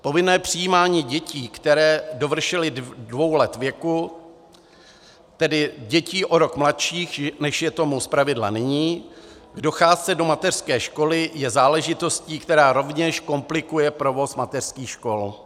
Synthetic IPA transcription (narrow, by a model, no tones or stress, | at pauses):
po̞vɪnɛːpr̝̥ɪjiːmaːɲiːɟɛciːkt̪ɛɾɛːdo̞vr̩ʃɛlɪdvo̞wlɛt̪vjɛku | t̪ɛdɪɟɛciːʔo̞ɾo̞kmlat̪ʃiːxnɛʃjɛt̪o̞muspɾavɪdlanɪɲiːɡdo̞xaːst͡sɛdo̞mat̪ɛr̥skɛːʃko̞lɪjɛzaːlɛʒɪt̪o̞sciːkt̪ɛɾaːɾo̞vɲɛʃko̞mplɪkujɛpɾo̞vo̞smat̪ɛr̥skiːxʃko̞l